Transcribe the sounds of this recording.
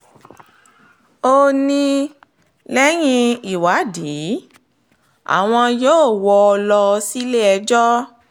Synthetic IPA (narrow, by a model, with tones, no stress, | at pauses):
o˧nĩ˧ | lɛ˦j̃ĩ˧i˨wa˨˦di˨˦ | a̰˦˨w̃ɔ̃˧joː˦˨wɔ˧lɔ˧si˦le˦ɛ˧d͡ʒɔ˦